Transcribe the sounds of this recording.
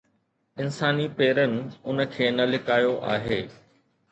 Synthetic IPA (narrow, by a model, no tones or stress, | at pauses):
ɪnsaːnipeːɾənɪ̆ʊnə̆kʰeːnɐlɪkaːjoʔa̰ːɦeː